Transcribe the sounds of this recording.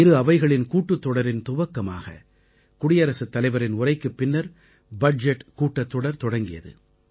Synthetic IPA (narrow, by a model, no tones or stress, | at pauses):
ɪɾɯɐʋɐɪɣɐɭɪnkuːʈːɯt̪ːɔɽɐɾɪnt̪ʊbɐkːɐma̰ːɣɐ̰ | kʊɽɪjɐɾɐsɯt̪ːɐlɐɪʋɐɾɪnʊrɐɪkːɯpːɪnːɐɾ | bɐɖd͡ʒɛʈːkuːʈːɐt̪ːɔɽɐɾt̪ɔɽɐŋɡɪjɐ̰ðɯ̰